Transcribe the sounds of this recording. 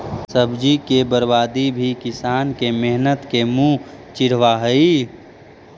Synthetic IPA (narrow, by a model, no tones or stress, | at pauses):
səbd͡ʒikebəɾbaːd̪ibʱikɪsaːnkemeɦnət̪kemũt͡ʃɪɽ̤ʋaɦəi